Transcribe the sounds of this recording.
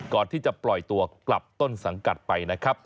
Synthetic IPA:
kɔː˨˩nt̪ʰiː˥˩t͡ɕa˨˩plɔ˨˩jt̪u˧ɐkla˨˩p̚t̪o˥˩nsa˩˦ŋka˨˩t̪̚pa˧jna˦˥kʰɾa˦˥p̚

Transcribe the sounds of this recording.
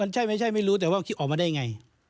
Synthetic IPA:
a˧nt͡ɕʰa˥˩jma˥˩jt͡ɕʰa˥˩jma˥˩jɾuː˦˥t̪ɛː˨˩waː˥˩˧kʰi˦˥t̪ʔɔː˨˩k̚maː˧da˥˩jŋa˧j

